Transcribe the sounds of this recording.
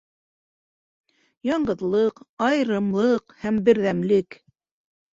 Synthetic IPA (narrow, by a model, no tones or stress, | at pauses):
jɑɴɢɤ̆ðlˠɤqɑjɾɤ̆mlˠɤqhæmbɘ̆ɾðæmlɘk